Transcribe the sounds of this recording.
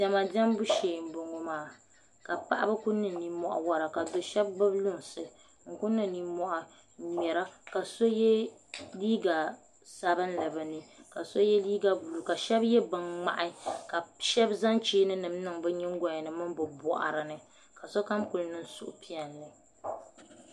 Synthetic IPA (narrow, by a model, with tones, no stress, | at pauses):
dɛ˨ma˨dɛ˦m˦bu˦ʃeː˨m˦bo˨ŋo˦maː˦˨ | ka˨pa˦ʔa˦bɨ˦ku˦nːɨ˨ni˦mɔ˨ʔa̰˨wa˦ɾa˨ka˨do˨ʃɛ˦bːɨ˦blʊ˦ŋsɨ˨ | ŋ̩˨ku˦nːɨ˨ni˦mɔ˨ʔa˨ | ɲɛ˨ɾa˦ka˨so˦jɛ˦liː˦ɡa˨ | sa˦bɨ˦n˦lɨ˨bɨ˨nɨ˨ka˨so˦jɛ˦liː˦ɡa˨bu˨lu˨ka˨ʃɛ˦bjɛ˦bɨ˨ŋŋ͡ma̰˨ʔa˦ka˨ʃɛ˦bza˦nt͡ʃeː˦nɨ˦nɨ˨mnɨ˦ŋbɛ˦ɲɛ˦ŋ̩˦ɡɔ˨ɲɛ˨nɨ˨mɨ˦mbɨ˨bɔ̰˨ʔa̰˨ɾɨ˨nɨ˨ | ka˨so˦ka˦mku˨lnɨ˦n˦sʊ̰˦ʔʊ˨˦pi˦ɛ˨lːɨ˨